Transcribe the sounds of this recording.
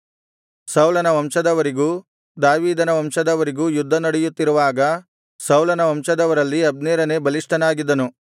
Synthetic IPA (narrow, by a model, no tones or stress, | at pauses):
sɐwlɐnɐʋɐmʃɐd̪ɐʋɐɾiɡuː | d̪aːʋiːd̪ɐnɐʋɐmʃɐd̪ɐʋɐɾiɡuːjud̪ʱːɐnɐɽɛjut̪ːiɾuʋaːɡɐ | sɐwlɐnɐʋɐmʃɐd̪ɐʋɐɾɐlːiɐb̚nɛːɾɐne̞bɐliʂʈɐnaːɡid̪ɐnu